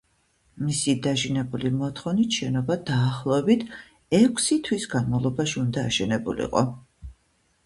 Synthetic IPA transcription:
misid̪aʒinɛbulimɔt̪ʰχɔnit̪ʃɛnɔbad̪aːχlˠɔɛbit̪ʰ | ɛkʷʰsit̪ʰwisɡanmavlˠɔbaʃiund̪aːʃɛnɛbṵlḭqʼɔ̰

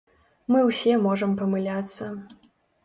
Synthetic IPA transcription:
mɨwsʲɛmɔʐɐmpɐmɨlʲat̪sːɐ

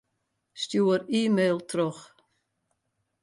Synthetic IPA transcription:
stjuəɾiːmeːlˠtʰrɔx

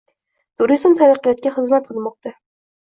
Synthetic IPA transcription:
t̪ʰʊɾizmt̪ʰaɾɑqːɨjɒt̪̚kʲaχɨzmat̪̚qʰɨlˠmɒq̚t̪a

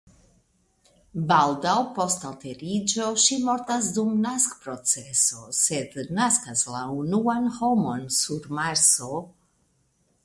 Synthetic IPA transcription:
baldawpo̞stalt̪e̞ɾid͡ʒo̞ʃimo̞ɾtasdumnaskpɾo̞t͡seso̞sed̪naskaslaunuanho̞mo̞nsuɾmaɾso̞

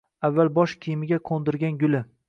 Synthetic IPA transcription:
avːalbɒʃkʲʰijɪmɪɡʲaqʰond̪ɪɾɡʲanɡʲʊlɪ

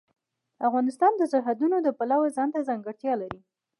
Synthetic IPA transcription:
afɣɑnɪst̪ɑnd̪əsaɾɦad̪unod̪əpalawazɑnt̪azaŋɡəɽt̪jɑlaɾi

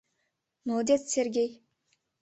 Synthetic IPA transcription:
nod̪ʲet̪sʲerɡʲej

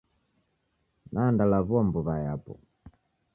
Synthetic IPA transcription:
nʔandalavuambuβajapɔ̰

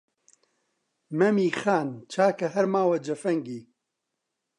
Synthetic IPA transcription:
mɐmiːxaːnt͡ʃʰaːkɐɦɐɾmaːwɐd͡ʒɐfɐŋɡiː

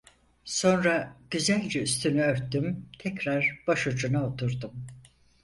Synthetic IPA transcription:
so̞nɾaɟ̥yzælʲd͡ʒɛyst̪ʰynyøɾt̪ʰːymt̪ʰɛcɾaɾb̥aʃud͡ʒunaot̪ʰuɾd̪um

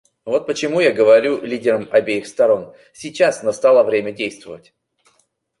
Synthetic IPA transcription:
vo̞t̪̚pət͡ɕɪmujaɡəvɐɾʲulʲidʲɪɾəmɐbʲejɪxst̪ɐɾo̞n | sʲɪt͡ɕasnɐst̪alˠəvɾʲemʲədʲejst̪vəvətʲ

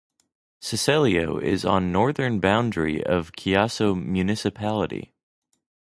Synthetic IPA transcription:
sɨsɛlˠioʊʔɪ̰zn̩nɔɹðə̃˞nbãʊ̃ndɹḭʔʌ̰v̥kʰiɑsoʊmjʉnɨsɨpʰælˠəɾḭ

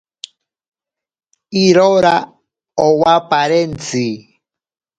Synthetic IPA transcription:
iɾɔɾa | ɔwapaɾɛnt͡si

